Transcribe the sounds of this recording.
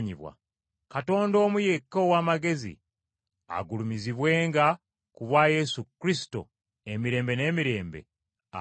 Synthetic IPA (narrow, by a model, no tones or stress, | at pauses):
ɲiβwa̰ | kato̞ːndoːmuje̞kːowaːmaɡe̞zḭ | a̰ɡulumiziβwe̞ːŋɡa | kuβwaːje̞sukɾisi̥to̰ | emiɾe̞ːmbe̞ne̞ːmiɾe̞ːmbe̞̰ | a